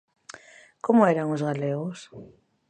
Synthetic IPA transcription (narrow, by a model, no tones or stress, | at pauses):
komʊɛɾaŋʊzɣaleɣʊs